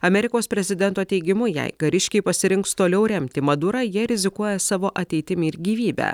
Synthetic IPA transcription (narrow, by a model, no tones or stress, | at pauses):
ɐmʲɛɾʲɪkoːspʲɾʲɛzʲɪd̪ʲɛnt̪oːt̪ʲɛɪɡʲɪmʊjɛ̰ɪɡɐɾʲɪʃʲkʲɛɪpɐsʲɪɾʲɪŋkst̪oːlʲɛʊɾʲɛmʲt̪ʲɪmɐd̪uːɾɑjiɛɾʲɪzʲɪkuɔjɛsɑːʋoːʔɐt̪ʲɛɪt̪ʲɪmʲɪɪɾɡʲiːʋʲiːbʲæ̰ː